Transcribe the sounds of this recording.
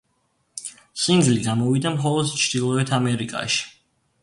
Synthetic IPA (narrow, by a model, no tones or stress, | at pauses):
sind̪zliɡamɔvid̪amχɔlˠɔd̪t͡ʃʰd̪̥ilˠɔɛt̪ʰamɛɾikʼa̰ʃi̥